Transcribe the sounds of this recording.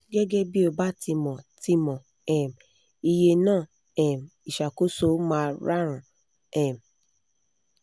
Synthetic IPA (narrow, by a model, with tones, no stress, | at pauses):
ɡɛ˦ɡɛ˦bi˦o˧ba˦ti˧mɔ̃˨ti˧˦mɔ̃˨ | ɛ˨m˨ | i˧je˧nãː˦˨ | ɛ˨m˨i˨ʃa˨ko˦so˦mãː˦˧ɾa˦ɾ̃ũ˨ | ɛ˨m˨